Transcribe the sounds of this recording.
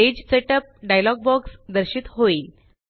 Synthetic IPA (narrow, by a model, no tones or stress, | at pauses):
ed͡ʑseʈəp̚ɖajlɔɡ̚bɔksd̪əɾɕit̪hoiːl